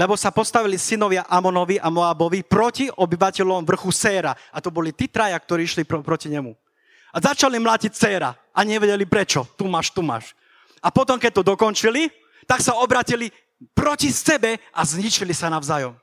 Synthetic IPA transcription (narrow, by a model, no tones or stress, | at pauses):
lɛbɔsapɔst̪aʋilisinɔʋɪaʔamɔnɔʋiʔamɔabɔʋipɾɔciʔɔbiʋacɛlɔmʋr̩xusɛːɾa | at̪ɔbɔlit̪iːt̪ɾajak̚t̪ɔɾiːʃlipɔpɾɔciɲɛmu | azat͡ʃalimlaːcic̚t͡sɛːɾa̰ | ʔaɲɛʋɛɟɛlipɾɛt͡ʃɔt̪umaʃt̪uma̰ʃ | apɔt̪ɔmkɛt̪ɔd̪ɔkɔnt͡ʃili | t̪aksaɔbɾaːcili | pɾɔcisɛbɛʔazɲit͡ʃilisanaʊzaːjɔm